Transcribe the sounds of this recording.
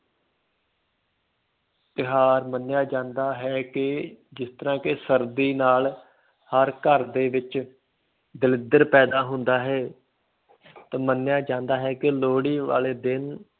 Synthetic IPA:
t̪ɪɦaːɾmənjaːd͡ʒãːnd̪aːɦɛːkɪd͡ʒɪst̪əɾãːkɪsəɾd̪iːnaːl | həɾkəɾd̪eːʋɪt͡ʃ | d̪ɪlɪd̪əɾpɛːd̪aːɦʊnd̪aːɦɛː | t̪aːmənjaːd͡ʒãːnd̪aːɦɛːkɪloːɽiːʋa̰ːleːd̪ɪn

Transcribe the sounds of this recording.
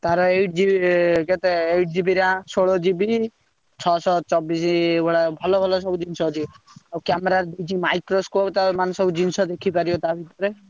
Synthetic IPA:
t̪aɾɔejʈd͡ʒiket̪eejʈd͡ʒibiɾãsoɭɔd͡ʒibi | t͡ʃʰɔsɔt͡ʃɔbisibɔɽabʱɔlɔbʱɔlɔsɔbud͡ʒinsɔt͡ʃʰiawkameɾaɾd̪ejt͡ʃʰimajkɾoskopt̪aɾɔmanɔsɔbud͡ʒinsɔd̪ekʰipaɾiot̪abʱit̪ɔɾe

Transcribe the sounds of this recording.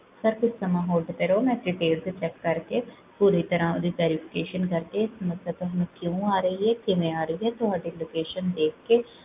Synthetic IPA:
səɾkʊt͡ʃʰsəmãːɦoːlɖp̪eɾoːmɛ̃ːt̪ɾɪʈeːlset͡ʃɛkːəɾkeː | puːɾit̪əɾãːod̪iːʋɛːɾɪpʰɪ̥keːʃənkəɾt̪eɪsəməsjaːt̪õɦənũkjõːaːɾəɦiɦɛːkɪʋẽaːɾəiɦɛːt̪ʊɦaːɖiloːkeːʃənd̪eːk̚ʰkeː

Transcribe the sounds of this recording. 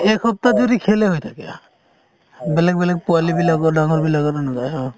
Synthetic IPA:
ekʰɔp̚t̪ad͡ʒuɾikʰeleɦojt̪ʰakḛa̰ | bɛlɛk̚bɛlɛk̚pualibilaɡɔɾɖaŋɔɾbilaɡɔɾnɔɡajɔ

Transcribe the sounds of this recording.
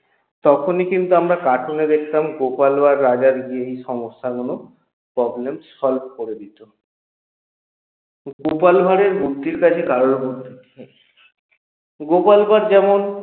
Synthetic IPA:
t̪ɔkʰonikint̪uamɾakaʈʰoned̪ekʰt̪amɡopalbaɾːad͡ʑaɾɡieɦiʃɔŋosːakɔno | pɾɔblemsɔlb̚ʱkoɾeb̪it̪o | ɡopalbʱaɾeɾbʱuɾt̪ːiɾkat͡ɕʰekaɾonɦoɾt̪et̪ʰie | ɡopalbʱaɾd͡ʑɛmon

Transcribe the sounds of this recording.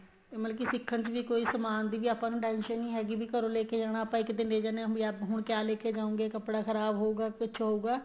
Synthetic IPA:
eməlkisɪkʰːənt͡ʃʋiːkoːiːsəmaːnd̪iːbiːaːpãːnũːʈɛːnʃənɦĩːɦɛːɡiːbʱiːkəɾõːleːked͡ʒaːɽ̃aːəpãːɪkd̪ɪnleːd͡ʒaːnãɦiɛbɦʊɳkjaːleːkʰed͡ʒaːũːŋɡeːkəpɽaːkʰəɾaːbɦoːuːɡaːkətːʃʰaɦoːɡaː

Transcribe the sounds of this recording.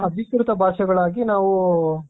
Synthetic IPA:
ɐb̪ʱikɾut̪ɐbʱaːʂɐɡɐɭaːɡinaːʋu

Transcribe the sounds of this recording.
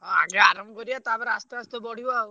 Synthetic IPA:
ɔ̃a̰ɡeaɾɔmkɔɾijat̪abɛɾast̪ast̪ɔbɔɽ̤ibaw

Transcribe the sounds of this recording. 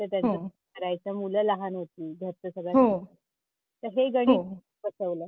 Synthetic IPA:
t̪əɾt̪jat͡səkəɾajt͡səmuləlaɦanɦot̪iːɡʱəɾt̪əsəɡɭa | t̪əɾɦeɡəɽ̃iːi | pəsəʋləː

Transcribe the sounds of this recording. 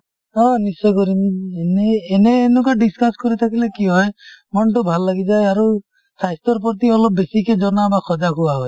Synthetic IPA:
ɔ̃nisɔkɔɾineneːneːnukaɖiskaskɔɾit̪ʰakʰilekiɦɔjmɔnʈubʱalːaɡid͡ʒajaɾu | sʰajst̪ɔɾp̬ɔt̪̬iɔlɔb̚besiked͡ʒɔnabakʰɔd͡ʒakuwaɦɔj

